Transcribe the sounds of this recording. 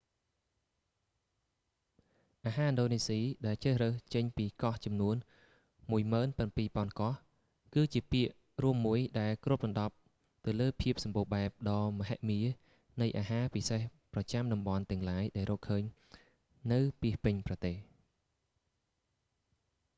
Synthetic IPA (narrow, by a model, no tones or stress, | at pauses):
ʔaːɦaːʔənɗoːneːsiːɗaɛlt͡ɕəːhrəht͡ɕəɲpiːkɑht͡ɕɑmnuən | muəjməːnpənpiːpŏənkɑh | kɨːt͡ɕiəpiəʔ | ruəmːuəjɗaɛlkruəp̚ɗɑnɗɑp̚ | t̪ɨwləːpʰiəp̚sɑmɓoːɓaɛp̚ɗɑːməɦaʔmiə | nɨjʔaːɦaːpisehprɑt͡ɕamɗɑmɓɑnt̪ɛ̆əŋlaːjɗaɛlrɔːkʰːəːɲ | nɨwpiəhpɨɲprɑt̪eːh